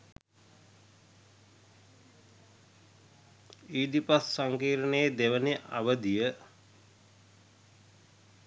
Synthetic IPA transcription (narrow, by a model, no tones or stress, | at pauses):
iːd̪ipassaŋkiːɾənejd̪eʋəneʔa̰ʋəd̪ijə